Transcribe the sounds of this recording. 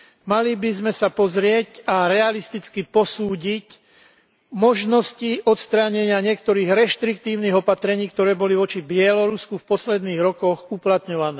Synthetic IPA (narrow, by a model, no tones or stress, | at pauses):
malibizmɛsapɔzɾɪɛcaɾɛalist̪it͡skipɔsuːɟic | mɔʒnɔsciʔɔt̪st̪ɾaɲɛɲɪaɲɪɛkt̪ɔɾiːɣɾɛʃt̪ɾik̚t̪iːʊniɣɔpat̪ɾɛɲiːk̚t̪ɔɾɛːbɔliʋɔt͡ʃibɪɛlɔɾuskufpɔslɛd̪niːɣɾɔkɔɣuplat̪ɲɔʋanɛː